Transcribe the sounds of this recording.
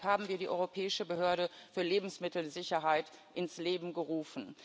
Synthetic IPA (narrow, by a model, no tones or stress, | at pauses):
haːbm̩viːɐɾiːʔɔ̰ʏʁopʰɛːɪʃəbəɦøːɐɾəfyːɐleːbm̩smɪtl̩zɪçɐɦaɪt | ʔɪnsleːbm̩ɡəʁuːfn̩